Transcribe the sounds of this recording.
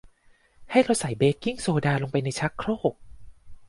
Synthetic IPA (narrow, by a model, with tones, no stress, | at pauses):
ha˥˩jɾa˧wsa˨˩˦jbeː˦˥kːi˥˩ŋsoː˧daː˧loː˧ŋpa˧jna˧jt͡ɕʰa˦˥kʰɾoː˥˩k̚